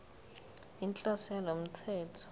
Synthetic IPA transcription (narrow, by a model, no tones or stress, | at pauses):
int͡ɬʼɔsɛlɔm̩t͡sʰɛːtʰɔ̥